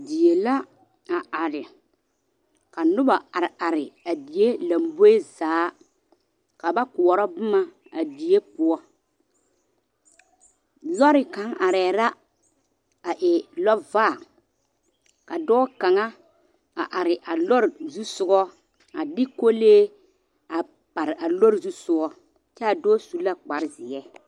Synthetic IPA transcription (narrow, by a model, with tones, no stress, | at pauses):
di˨e˨la˦ | a˨ʔa˨ɾɪ˨ | ka˨nʊ˦ba˨a˨ɾa˨ɾɪ˨a˨di˨je˦la˨mbo˦e˦zaː˨˦ | ka˨ba˦kʊ˨ɔ˨ɾɔ˦bʊ˦ma˦ | a˨di˨je˦pʊ˨˦ɔ˦ | lɔ˦ɾɪ˨ka˨˦ŋʔa˨ɾɛː˨ɾa˦ | a˨ʔɪ˨lɔ˦vaː˦˨ | ka˨dɔː˦ka˨ŋa˦ | a̰˨ʔa˨ɾɪ˨ʔa˨lɔ˦ɾzu˦sʊ˦ɡɔ˦ | a˨dɪ˦ko˦leː˦ | a˨ | pa˨ɾɪ˨ʔa˨lo˦ɾzu˦sʊ˦ɡɔ˦ | t͡ʃɛ˦a˨dɔː˦su˨la˦k͡pa˨ɾɪ˦zɪ˨ɛ˦